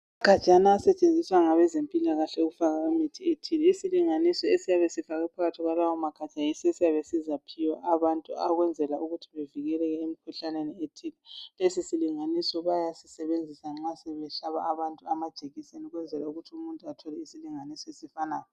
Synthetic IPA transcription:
aɡ̥ʱḁt͡ʃʼanaːsɛt͡ʃʼend͡zʱiswaŋaβɛzempʼilaɣaɬɛuɣufaɣaumitʰietʰilɛisiliŋanisɔesijaβesifaɣɛpʰaɣatʰiɣwalawɔmaɡ̥ʱḁt͡ʃajisesijaβesizapʰiwɔʔaβantʼuaɣwɛnd͡zʱɛlauɣutʰiβeviɣɛlɛɣɛemikʰuɬanenietʰilɛlesisiliŋanisɔβajasisɛβend͡zʱisaŋ͡ǁasɛβɛɬaβa̰aβantʼuamad̥ʒ̥ʱeɣisenuɣwɛnd͡zʱɛlauɣutʰumuntʼuatʰɔlɛisiliŋanisɔesifanaːjɔ

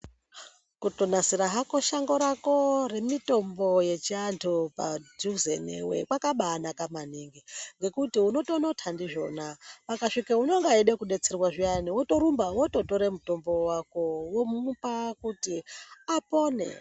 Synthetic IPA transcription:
kuto̞nasiɾaɦako̞ʃaŋɡo̞ɾako̞re̞mito̞mbo̞je̞t͡ʃiantʰupa̰d͡ʒuzḛnḛwḛkwakaɓaːnakamaniŋɡiŋɡe̞kutiuno̞to̞no̞tʰandiʐo̞napakaʂikauno̞ŋɡeiɗekuɗe̞t͡serwaʐianiwoto̞ɾumbawoto̞to̞ɾemuto̞mbo̞wakowomupakutiapo̞nḛ

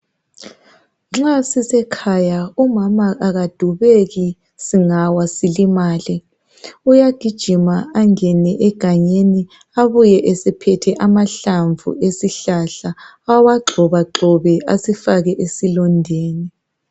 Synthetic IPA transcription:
ŋ͡ǁasisɛkʰajaumamaʔaɣad̥ʱuβeɣi | siŋawasilimaːlɛ | ujaɡ̥ʱid̥ʒ̥ʱimaaŋɛnɛʔɛɡ̥ʱaɲeni | aβujɛʔesɛpʰɛtʰɛʔamaɬaɱvṵesiɬaɬa | awaɡ͡ǃʱɔβaǁɔβɛasifaɣɛʔesilɔndʱeːni

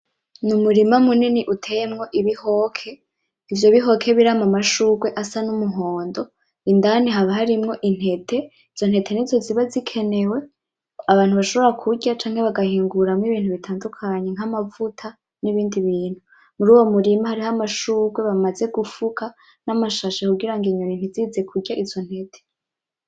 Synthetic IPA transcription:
numuɾimamuniniʔutʰejemŋo̞ʔiβiho̞kʰe̞ | ivjo̞βiɦo̞kʰeβiɾamamaʃuːɡwe̞ʔasanumuɦo̞ːndo̞ | indaniɦaβaɦaɾimŋo̞ʔin̥he̞tʰe̞ | iz̥onhe̞tʰe̞nizo̞ziβazikʰe̞ne̞we̞ | aβaːnhuβaʃo̞βo̞ɾakʰuɾɟat͡ʃaːŋhe̞βaɡahiːŋɡuɾamŋiβiːnhuβitʰaːndukʰaɲe̞ŋ̥amavutʰa | niβiːndiβiːn̥hu | muɾuːwo̞muɾimahaɾihamaʃuːɡwe̞βamaze̞ɡufukʰa | namaʃaʃekuɡiɾaŋɡiɲonin̥iziːze̞kʰuɟaʔizo̞n̥he̞tʰe̥

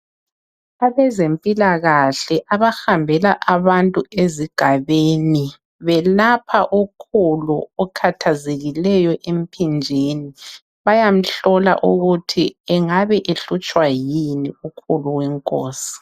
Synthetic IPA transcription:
aβɛzempʼilaɣaɬɛʔaβaxambʱɛlaʔaβantʼueziɡ̥ʱaβeːni | βɛlapʰaʔukʰuluɔkʰatʰazeɣilɛjɔʔem̩pʰind͡ʒʱeni | βajam̩ɬɔla̰ʔuɣutʰiɛŋaβɛʔeɬut͡ʃʼwajiniukʰuluwɛŋkʼoːsi̥

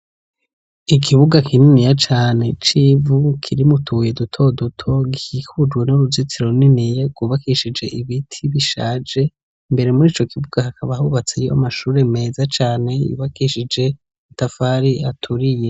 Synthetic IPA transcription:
ikʰiβuɡakʰininijat͡ʃaːne̞t͡ʃivukʰiɾimutʰuːje̞dutʰo̞dutʰo̞ɡihikʰud͡ʒɡwe̞nuɾuzit͡siɾouninijeɡɡuβakiʃid͡ʒe̞ʔiβitʰiβiʃa̰ːd͡ʒe̞ | mbe̞ɾe̞muɾiːt͡ʃo̞kiβuɡ̥ahakaβahuβat͡sejoa̰maʃuːɾe̞me̞ːzat͡ʃaːne̞jṵβakiʃid͡ʒe̞ | atafaɾiatʰuɾije

